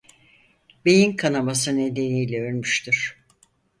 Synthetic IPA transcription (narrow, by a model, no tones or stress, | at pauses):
bejinkʰanabas̬ɯne̞d̪e̞nijlʲɛønmyʃt̪ʰiɾ̥